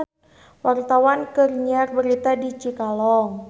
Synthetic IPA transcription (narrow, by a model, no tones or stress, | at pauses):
wart̪awankərɲarbəɾit̪adit͡ʃikalɔŋ